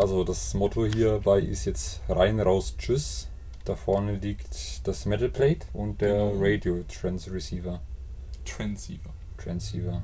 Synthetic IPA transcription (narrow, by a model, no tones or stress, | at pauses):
ʔalzodasmɔtʰohiːɐbaɪʔɪ̰stjɛt͡stʁaɪnʁaʊst͡ʃʊs | d̥afɔɐnəliːktd̥asmɛtl̩pʰlɛːtʔʊnt̚d̥eːɐʁeɪdiotʁ̥ɛnsʁisiːvɐ | tʁɛnsiːvɐ | tʁ̥ɛnsiːvɐ